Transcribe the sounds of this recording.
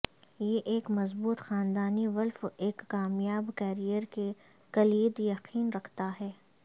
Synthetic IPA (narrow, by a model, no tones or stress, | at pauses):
jeʔeːkmɐzbuːt̪xaːnd̪aːniʋɐlfeːkːaːmjaːbkɛːɾijəɾke | kɐliːd̪jɐqiːnɾɐkʰt̪aɦɛː